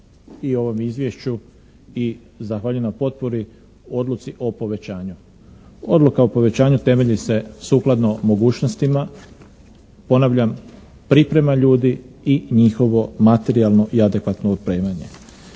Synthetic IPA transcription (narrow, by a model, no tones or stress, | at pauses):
io̞ʋo̞mizʋjeʃt͡ɕu | i | zaxʋaːʎuenapo̞t̪̚poɾi | o̞d̪lut̪siʔo̞po̞ʋe̞t͡ɕaːɲu | o̞d̪lukaopo̞ʋe̞t͡ɕaːɲut̪e̞me̞ʎise̞suːklˠad̪no̞mo̞ɡuːt͡ʃno̞st̪ima | po̞naʋʎam | pɾipɾe̞maʎuːd̪i | iɲixo̞ʋo̞mat̪e̞ɾialˠno̞ʔiad̪e̞kʋat̪noot̪̚pɾe̞ːmaɲe̞